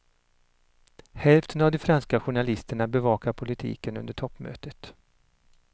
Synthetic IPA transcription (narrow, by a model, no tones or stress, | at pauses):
hɛlft̪ʰənavd̪ɔfɾanskaɧʊɳalɪst̪əɳabɛvɑːkaɾpʰʊlɪt̪ʰḭːkənɵnd̪əʈʰɔpːmø̰ːt̪ət̪